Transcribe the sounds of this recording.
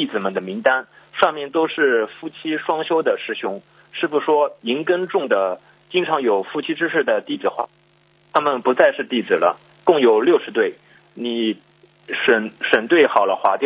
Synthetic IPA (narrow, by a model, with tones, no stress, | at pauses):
t̪i˥˩d͡zɹ̩˨˩mə˨˩nd̪ə˩mi˧˥ŋt̪a˥n | ʂɑ˥˧ŋmjɛ˥˩nt̪o˥ʊʂɻ̩˥˧fu˥˩t͡ɕʰi˥ʂwɑ˥ŋɕjo˥ʊd̪ə˨ʂɻ̩˧˥ɕʊ˧˥ŋ | ʂɻ̩˥˩bu˩ʂwɔ˥i˧˥ŋkə˥nʈ͡ʂʊ˥˩ŋd̪ə˩ | t͡ɕi˥ŋʈ͡ʂʰɑ˧˥ŋjo˨˩ʊfu˥˩t͡ɕʰi˥ʈ͡ʂɻ̩˥ʂɻ̩˥˩d̪ə˩t̪i˥˩d͡zɹ̩˨˩xwa̰˥˩ | t̪ʰa˥mə˨npu˧˥t͡sa˥˧ɪʂɻ̩˥˧t̪i˥˩d͡zɹ̩˨˩lə̰˦ | kʊ˥˩ŋjo˨˩ʊljo˥˩ʊʂɻ̩˧˥t̪we˥˩ɪ | ni˨˩˦ | ʂə˨˩nʂə˨˩nt̪we˥˩ɪxɑ˨˩ʊlə˦xwa˧˥t̪j